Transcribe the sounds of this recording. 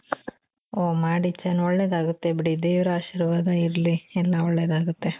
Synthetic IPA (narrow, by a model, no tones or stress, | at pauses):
oːmaːɽit͡ʃːɐnɔɭːeːd̪aːɡut̪ːe̞biɽid̪eːʋɾɐaːʃiːɾʋaːɡɐiɾliɛlːɐɔɭːeːd̪aːɡut̪ːe̞